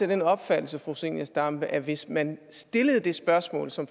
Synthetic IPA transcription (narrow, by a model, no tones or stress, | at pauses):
ed̥enɒ̽b̥fæd̥l̩səfʁuse̝̰ŋɐsd̥ɑ̈mb̥əʔæʋe̝smænsd̥e̝ləð̞̩ˠd̥e̝sb̥ɶɐsmɔ̰̽ːlsɒ̽m